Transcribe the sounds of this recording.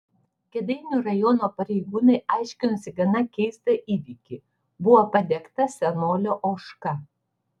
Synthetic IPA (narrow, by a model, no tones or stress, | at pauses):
kʲɛd̪ɐɪnʲuɾɐjɔnoːpɐɾʲɛɪɡuːnɐɪɑˑɪʃʲkʲɪnʊsʲɪɡɐnɐkʲɛɪst̪ɐʔiːʋʲiːˑkʲi | bʊʋopɐd̪ʲɛkt̪ɐsʲɛnoːlʲoːʔoːʃkɐ